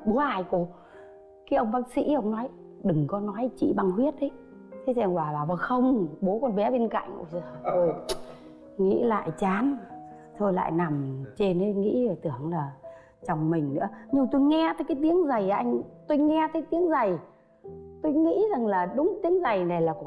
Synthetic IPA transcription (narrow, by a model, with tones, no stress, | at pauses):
ɓu˨˦əʔaː˧˩˨jku˨˩ | kaː˨˦jʔə˧wŋ͡mɓaː˦˥k̚sḭ˧˥ʔə˧wŋ͡mnɔ˨˦j | ɗɨ˨˩ŋkɔ˨˦nɔ˨˦jt͡ɕḭ˧˨ɓa˧˩ŋhwi˦˥ət̚ʔə˨˦j | t̪ʰe˨˦t͡ɕa˧˩ŋkwaː˨˩laː˨˩və˨˩xə˧wŋ͡mɓo˨˦kɔ˧nɓɛ˨˦ɓe˧nka̰˧˨jŋ̟ʔzt̪ʰo˧j | ŋḭ˧˥la̰ː˧˨jt͡ɕaː˨˦n | t̪ʰo˧jla̰ː˧˨jna˨˩mt͡ɕe˧nə˨˦˧ŋḭ˧˥˧t̪ɨ˧˩əŋlaː˨˩ | t͡ɕa˧˩wŋ͡mmï˨˩ŋ̟nɨ̰˧˥əɲɨ˧t̪o˧jŋɛ˧t̪əː˨˦jkaː˨˦jt̪i˨˦əŋza˨˩jʔa˧jŋ̟t̪o˧jŋɛ˧t̪ʰəː˨˦jt̪i˨˦əŋzə˨˩j | t̪o˧jŋḭ˧˥za˨˩ŋlaː˨˩ɗʊ˨˦ŋ͡mt̪i˨˦əŋza˨˩jna˨˩jlaː˨˩kʊ̰˧˨